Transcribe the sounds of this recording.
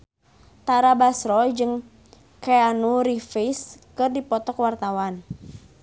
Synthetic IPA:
t̪aɾabasɾɔd͡ʒɨŋ | kɛanuɾifiskɨrdipɔt̪ɔkwart̪awan

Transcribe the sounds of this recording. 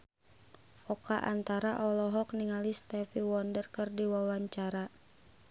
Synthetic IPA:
ʔɔkaʔa̰nt̪aɾaʔɔlɔɦɔkniŋalist̪ɛfiwɔndərkərdiwawaɲt͡ʃaɾa

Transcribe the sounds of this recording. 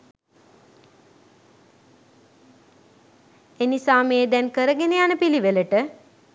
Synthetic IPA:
enisaːmeːd̪ɛnkəɾəɡeneanəpiliʋeləʈə

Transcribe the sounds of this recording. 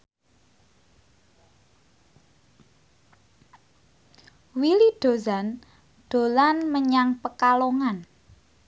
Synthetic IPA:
wiliɖ̥o̤zan | ɖ̪̥o̤lanməɲaŋpəkaloŋan

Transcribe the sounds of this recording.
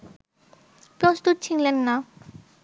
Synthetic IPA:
pɾɔst̪ut̪̚t͡ɕʰiŋlɛnːa

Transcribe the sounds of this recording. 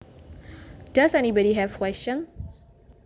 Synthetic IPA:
d̥asɛnibɔɾiɦɛvkwɛst͡ʃə̃ns

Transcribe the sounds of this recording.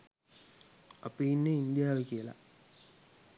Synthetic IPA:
apiinːeind̪jaːʋekijəla̰

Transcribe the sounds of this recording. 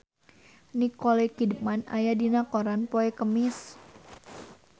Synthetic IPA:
nikolɛkidəp̚mana̰jadinakoɾanpoɛkəmɪs

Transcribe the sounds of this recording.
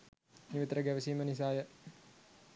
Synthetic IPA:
niʋit̪əɾəɡæʋəsiːmənis̬aːjə

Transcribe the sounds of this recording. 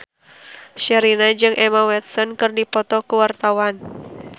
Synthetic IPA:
ʃɛɾinad͡ʒɨŋʔɛmawɛt̪̚sɔnkɨrdipɔt̪ɔkuwart̪awan

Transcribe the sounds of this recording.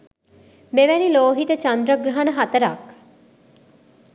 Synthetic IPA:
meʋæniloːɦit̪ət͡ʃɐnd̪ɾəɡɾɐɦɐnəɦɐt̪əɾak

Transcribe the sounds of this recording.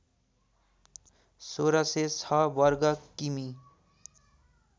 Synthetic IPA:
soɾʌset͡sʰʌbʌɾɡʌkːimi

